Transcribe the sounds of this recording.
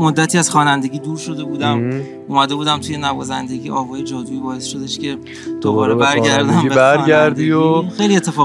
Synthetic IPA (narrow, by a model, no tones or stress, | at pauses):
mod̪ːæt̪ʰiːæz̥xɒːnænd̪e̞ɟʲiːd̪uːɾʃo̞d̪e̞buːd̪æm | ʔuːmæd̪e̞buːd̪æmt̪ʰuje̞nævɒːzænd̪e̞ɟiːʔɒːvɒːje̞d͡ʒɒːd̪uiːbɒːe̞sʃo̞d̪e̞ʃce̞ | d̪̥obɒːɾebæɾɟæɾd̪æmeæɾnæɾd̪ioxejlie̞t̪ʰːefɒː